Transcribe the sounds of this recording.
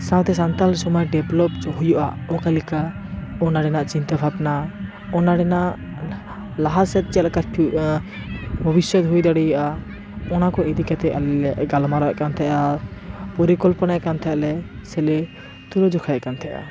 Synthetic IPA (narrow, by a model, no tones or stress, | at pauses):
sãw̃t̪ɛsant̪alsɔmɔjɖɛblɔp̚ɦujuʔaɔkalika | ɔnaɖɛnaʔt͡ʃint̪abʱabna | ɔnaɖɛnaʔ | laɦasɛt̪̚t͡ʃɛlɛkaʈʰu | bʱɔbisjɔt̪ɦujd̪aɽɛjɔʔa | ɔnakɔed̪ikat̪ɛʔalɛlɛʔɡalmaɾɔʔkant̪ʰɛʔapɔɾikɔlpɔnaʔkant̪ʰɛʔlɛsɛlɛ | t̪ulɔd͡ʒɔkʰaʔkant̪ʰɛʔa̰